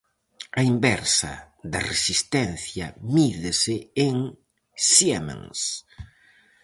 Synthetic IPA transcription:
ɐimbɛɾsɐ̰ | ðɐresist̪ɛnθjɐmiðesɪeŋ | siemã̰ŋs

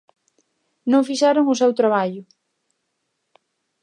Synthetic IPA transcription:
nõŋfiʃaɾoŋʊsewt̪ɾaβ̞aʎʊ

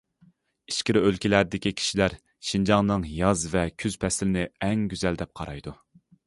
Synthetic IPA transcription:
i̥ʃkʲiɾølkʲilæɾd̪ɪkʲikʲʰi̥ʃilæɾ | ʃind͡ʒɑŋnɨŋjɑzvɛkʲʰyz̥pʰɛsɪlɪnɪɛŋɡʲyzɛld̪ɛp̚qʰɑɾɑjd̪u

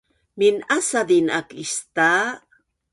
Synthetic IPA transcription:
minasad̪inakist̪aː

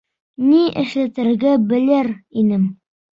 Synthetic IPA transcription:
niʔɘ̰̆ʃlæt̪ɘ̆ɾɡæbɘ̆lɘɾinɘm

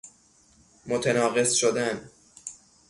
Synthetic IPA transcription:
mot̪ʰenɒːɣesʃod̪æn

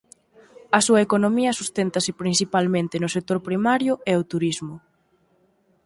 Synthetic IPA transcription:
ɐsuɐekonomiɐsust̪ent̪ɐsɪpɾinsipalmẽnt̪ɪnʊsek̚t̪oɾpɾimaɾjʊʔɛot̪uɾizmʊ

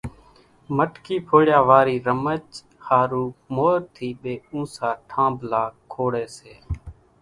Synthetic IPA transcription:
məʈkiːpʰoːɽjaːʋaːɾiːɾəmət͡ʃ | haːɾuːmoːɾt̪ʰiːɓeːũːsaːʈʰãːblaːkʰːoːɽeːseː

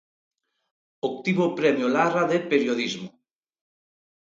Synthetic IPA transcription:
ok̚t̪iβopɾɛmjolaraðepeɾjoðizmo

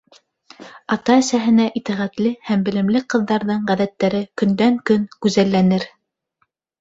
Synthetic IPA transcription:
ɑt̪ɑæsæɦɘ̆næʔit̪æʁæt̪lɘhæmbɘ̆lɘ̆mlɘqɤ̆ðːɑɾðɤɴʁæðæt̪ːæɾɘkɵ̆nd̪æŋkɵŋkʉzælːænɘɾ

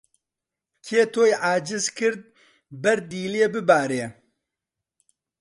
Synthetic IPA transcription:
kʰeːt̪ʰoːjʕaːd͡ʒɪzkɨɾd̪̚ | bɛɾd̪iːleːbɨbaːɾeː

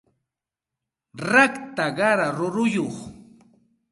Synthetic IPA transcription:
ɾakt̪aɢɑɾaɾʊɾʊjoχ

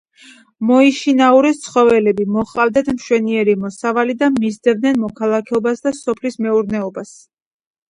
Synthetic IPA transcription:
mɔiʃinauɾɛst̪sʰχɔvɛlɛbimɔχlavd̪at̪ʰmʃwɛniɛɾimɔsavalid̪amizd̪ɛvd̪nɛnmɔkʰalˠakʰɛɔbasd̪asɔpʰlismɛuɾnɛɔbas

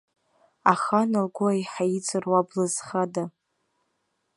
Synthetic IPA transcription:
aχanalɡʷʊajħait͡sʰʼɨrwablazχada

